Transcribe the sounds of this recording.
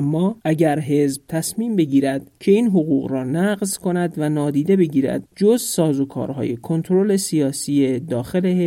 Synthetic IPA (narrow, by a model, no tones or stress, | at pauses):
mːɒːʔæɟæɾɦe̞zb̥̚t̪ʰæsmiːmbe̞ɟiːɾæd̪̥cʰe̞iːnɦoɣuːɣɾɒːnæɢzkʰo̞næd̪vænɒːd̪iːd̪e̞be̞ɟiːɾæ̰d̪̚d͡ʒozsɒːzokʰɒ̰ːɾɦɒ̰ːje̞kʰo̞nt̪ʰɾo̞le̞sijɒːsied̪ɒːxe̞le